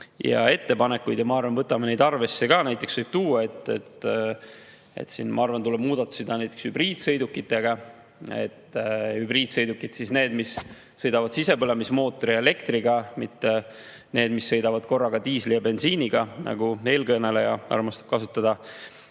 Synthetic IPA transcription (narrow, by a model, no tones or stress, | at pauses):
jɑ̰e̞t̪ːe̞pɑne̞kːˑujd̪̥jɑmɑɑrvɑnvɤt̪ːˑɑmɑne̞jd̪ɑrve̞sːeɡɑnæjt̪ˑːeksvɤjb̥̚t̪uːɑe̞t̪ˑːḛt̪ | ḛt̪sinmʔɑ̰ɑrvɑnt̪ulɛb̥muːd̪̥ɑt̪ːˑu̥sid̪ɑnæjt̪ːˑekshybriːd̪̥sɤjd̪ukːˑit̪ːˑe̞ɡ̥ɑ | e̞̰t̪ːhybriːd̪̥sɤjd̪ukːˑit̪sisne̞ːd̪misː | ɤjd̪̥ɑvɑd̪̥sise̞pɤlemismo̞ːt̪ːˑoɾiele̞kt̪riɡɑmit̪ːe | neːd̪misːɤ̞jd̪̥ɑvɑd̪̥ko̞rːɑɡ̥ɑt̪iːslijɑbe̞nsiːniɡ̥ɑnʔɑ̰ɡ̥ue̞ːlkɤnelejɑɑ̰rmɑst̪ɑ̥b̥kɑsut̪ːˑɑd̪ɑ